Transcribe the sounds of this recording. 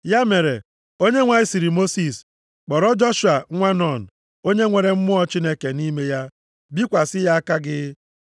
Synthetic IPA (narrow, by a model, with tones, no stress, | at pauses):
ja˦me˨ɾe˨ | o˦ɲe˦ŋʷa˨ɪ˦si˨ɾi˨mo˦si˨s | k͡pɔ˨ɾɔ˦d͡ʒɔ˦ʃu˨a˨ŋʷa˦nɔ˦˨n̩˨ | o˦ɲe˦ŋʷe˨ɾe˨m̩˦mʊ˦ɔ˦t͡ʃi˦ne˦ke˨ni˦me˦ja˦ | bi˦kʷa˨sɪ˦ja˦a˦ka˦ɡɪ˦